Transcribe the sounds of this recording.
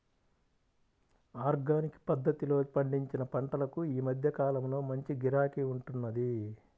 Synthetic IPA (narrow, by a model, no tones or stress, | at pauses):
aːɾɡaːnikpɐd̪ːɐt̪ilo̞ːpɐɳɖiɲt͡ʃinɐpɐɳʈɐlɐkuiːmɐd̪ʱjɐkaːlɐmlo̞ːmɐɲt͡ʃiɡiɾaːkiuɳʈunːɐd̪i